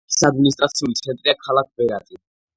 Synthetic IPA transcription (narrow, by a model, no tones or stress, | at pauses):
sad̪̚minist̪ʼɾat̪sʰiulit̪sʰɛnt̪ʼɾiakʰalak̚bɛɾat̪ʼi